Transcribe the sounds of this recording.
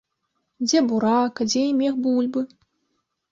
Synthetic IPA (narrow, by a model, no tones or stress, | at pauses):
d͡zʲɛbuɾakɐd͡zʲɛimʲɛxbulʲbɨ